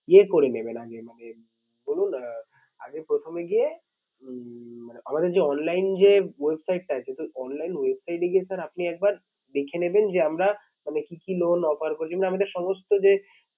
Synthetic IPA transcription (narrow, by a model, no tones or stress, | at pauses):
iekoɾenebenaɡemane | bolun | a̰ɡepɾot̪ʰomeɡie | maneʔamad̪eɾd͡ʑeɔnlajnd͡ʑewebsajʈ̚ːaat͡ɕʰet̪oɔnlajnwebsajʈeɡiesaɾapniɛk̚baɾ | d̪ekʰenebend͡ʑeamɾa | manekikilonɔpaɾkoɾet͡ɕʰimenaamad̪eɾʃɔmost̪od͡ʑe